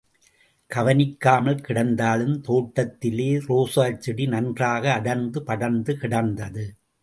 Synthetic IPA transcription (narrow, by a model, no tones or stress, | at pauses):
kɐʋɐnɪkːaːmɐlkɪɽɐnd̪aːlɯmt̪oːʈːɐt̪ːɪleːɾoːsaːt͡ʃːɪɽinɐndraːɣɐːɽɐnd̪ɯpɐɽɐnd̪ɯkɪɽɐnd̪ɐðɯ